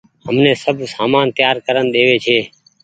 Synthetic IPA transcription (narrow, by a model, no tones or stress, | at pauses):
ɦəmnẽːsəbʱsaːmaːnt̪jaːɾkəɾənɗ̪eːʋeːt͡ʃʰeː